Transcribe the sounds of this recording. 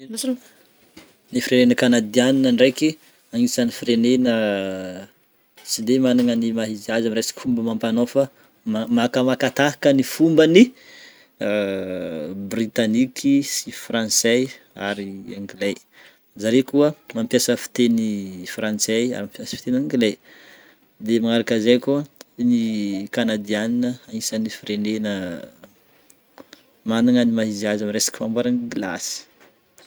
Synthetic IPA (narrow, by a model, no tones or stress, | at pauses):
nifiɾenenəkanad̪ianinəɳɖ͡ʐejki | aŋisanifirenenə | t͡sid̪emanaŋənimaɦiziazamiɾesḁki̥fumbəmampanofa | makəmakat̪aɦḁkənifumbəni | brit̪anikʰisifrãnsej | a̰ɾiaŋɡilej | zaɾekuəmampjasəfi̥t̪enifrant͡seja̰ɾimapjasə̥fit̪enaŋɡile | d̪emaŋaɾakazejkuənikanad̪ianinəaisənifiɾenenə | manaŋənimaɦiziazamiɾesḁki̥fambaɾanɡila̰si̥